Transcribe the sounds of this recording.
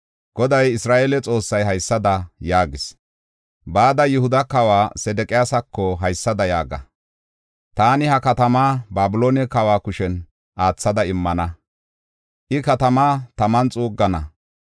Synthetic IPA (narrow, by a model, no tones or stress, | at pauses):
ɡ̥ɔd̪ɐjɪsɾaːʔeːlɛt͡sʼo̞ːsːɐjɦɐjsːɐd̪ɐjaːɡɪs | baːd̪ɐjʊhʊd̪ɐkɐwaːsɛd̪ɛkʼɪjaːsɐkːɔɦɐjsːɐd̪ɐjaːɡɐ̰ | t̪aːnɪhɐkɐt̪ɐmaːbaːbɪloːnɛkɐwaːkʊʃɛn | ʔaːt͡sːɐd̪ɐɪmːɐnɐ | ʔɪkɐt̪ɐmaːt̪ɐmɐnt͡sʼuːɡːɐnɐ